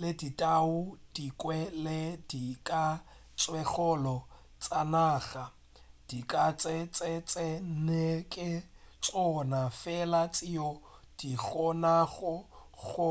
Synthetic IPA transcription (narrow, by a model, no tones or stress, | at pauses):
leditʼaʊd̥ikʼwɛlɪdikʼa | t͡sʼwɛχɔlɔ | t͡sʼanaːɣa | d̥ikʼat͡sʼɪt͡sʼɪt͡sʼɪn̩nekʼɪ | t͡sʼɔnafɛlat͡sʼio | d̥iɣɔnaɣʊɣʊ